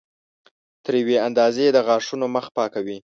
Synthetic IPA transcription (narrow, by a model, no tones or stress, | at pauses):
t̪əɾjaweand̪ɑzeed̪əɣɑʂunoməxpɑkawi